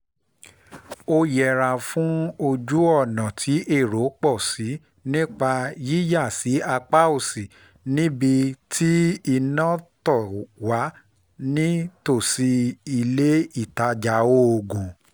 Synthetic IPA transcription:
o˧jɛ˨ɾa˨fũ˦o˧d͡ʒu˦ɔ˦˨nã˨tʰi˨˦ʔe˦˨ɾo˨˦k͡pɔ˦˨si˨˦ | nĩ˦k͡pa˧ji˦ja˦˨si˨˦a˧k͡pa˦o˦˨si˨ | nĩ˦bi˧tʰi˦i˧nã˦tɔ˦˨wa˨˦ | nĩ˦to˦˨si˧i˧le˦i˦˨ta˧d͡ʒa˨˦wo˦o˧ɡũ˨

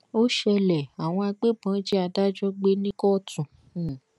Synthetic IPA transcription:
o˦ʃɛ˧lɛ˨a˨w̃ɔ̃˧a˧ɡ͡be˦bã˨˦d͡ʒi˦a˧da˦d͡ʒɔ˦ɡ͡be˦nĩ˦kɔ˦tũ˨

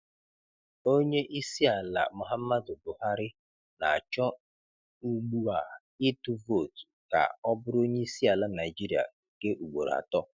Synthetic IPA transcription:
o˦ɲe˦ʔi˦si˦a˨la̰˨mʊ˨ɦa˦mː˦a˦dʊ˨bʊ˨ha˦ɾɪ˦ | na˨a˨t͡ʃɔ˦ | u˦ɡ͡bu˦a˨ | ɪ˦tu˦vo˦˨tka̰˨ɔ˦bʊ˦ɾo˦ɲe˦i˦si˦a˨la˦na˨ɪ˨d͡ʒi˦ɾi˦a̰˨ke˦ʔu˨ɡ͡bo˨ɾa̰˨tɔ˦

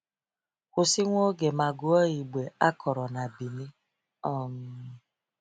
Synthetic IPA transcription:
kʊ˨si˦ŋʷo˦ɡe˨ma˨ɡʊ˦ɔ˦i˨ɡ͡be˨a˦kʰɔ˨ɾɔ˨na˨bi˨ni˦ | ɔ˦˨m̩˦

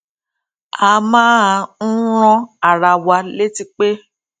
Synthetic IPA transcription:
a˧˦mãː˦a˧n̩˦ɾ̃ɔ̃˧a˨ɾa˧wa˧le˦ti˧k͡pe˦

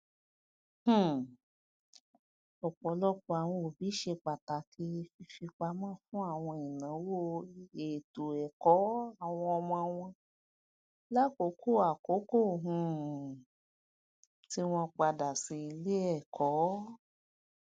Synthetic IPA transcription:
h̩˦˨ | ɔ˨k͡pɔ˨lɔ˦k͡pɔ˧a˨w̃ɔ̃˧o˨bi˨˦ʃe˧k͡pa˨ta˨˦kʰi˧˦˧fi˧fi˧k͡pa˧mãː˦˨fũ˦a˦˨w̃ɔ̃˧i˨nã˨˦wo˦˨e˨to˨ɛ˨kɔ˨˦a˦˨w̃ɔ̃˧ɔ˧w̃ɔ̃˧w̃ɔ̃˧ | la˦˨ko˨˦ko˦˨a˨ko˨˦ko˦˨ɦũ˧˦˨ | ti˦w̃ɔ̃˧k͡pa˧da˨sĩ˧i˧le˦ɛ˦˨kʰɔ˨˦

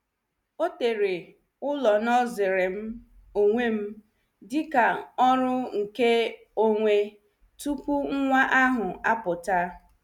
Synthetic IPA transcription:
o˦te˨ɾe˨ | ʊ˦lɔ˨nɔ˦zɪ˨ɾe˨m̩˦ | o˨ŋʷe˦m̩˦ | dɪ˦ka˨ɔ˦ɾʊ˦ŋ̩˨ke˦ | o˦ŋʷe˦ | tu˦kʷu˦ŋ̩˦ŋʷa˦ʔa˦ɦʊ˨a˦pʊ˨ta˦

